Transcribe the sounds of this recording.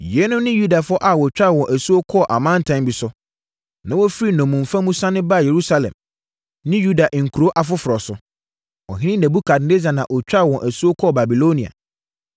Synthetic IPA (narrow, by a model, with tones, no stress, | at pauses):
jɛ˨˦nʊ̃˦nɪ̃˦ju˦da˨fʊ˦ɔ˦ʔa˨wɔ˨t͡ɕᶣa˦˨wɔ̃˨nʔæ˨su˦o˦kʰɔ˦˨ʔa˨mã˦n˦˨tʰã˦mbi˨sʊ˦ | nã˦wɔ˦fi˦ɾi˦nɔ̃˨mːũ˨m˨fã˦mũ˦sã˦nɪ̃˦ba˦˨je˨ɾu˦sa˦lɛ̰̃˨m | nɪ̃˦ju˦da˨ʔŋ̩˨kʰu˨ɾo˦ʔa˨fʊ˦fʊ˨ɾɔ˨sʊ˨ | wɔ̰˨ɦɪ̃˦nɪ̃˦næ̃˨bu˦kʰa˨dne˦za˨nã˨ʔɔ˨t͡ɕᶣa˦˨wɔ̃˨nʔæ˨su˦o˦kʰɔ˦˨ba˨bi˨lo˦nĩ˨a̰˨